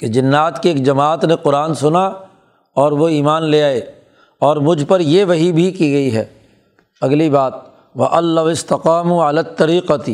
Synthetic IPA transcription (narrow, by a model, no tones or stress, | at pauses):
ked͡ʒɪnːaːt̪keeːk̚d͡ʒɐmaːt̪neqʊɾaːnsʊna | ɔːɾʋoiːmaːnleaːeː | ɔːɾmʊd͡ʒʱpɐɾjeʋɐɦibʱikiɡɐiɦɛ̰ː | ɐɡlibaːt̪̚ | ʋɐʔɐlːɐʋɪst̪ɐqaːmuɐlaːt̪ːɐɾiːqət̪